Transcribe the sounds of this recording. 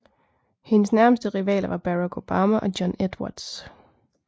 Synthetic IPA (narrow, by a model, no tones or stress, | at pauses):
he̝nəsnæɐməsd̥əʁiʋɛ̰ːlɐʋɑ̈b̥æʁɑkʰo̝b̥ɑːmæʔɒ̽d̥jɒned̥wɑ̰ːd̥s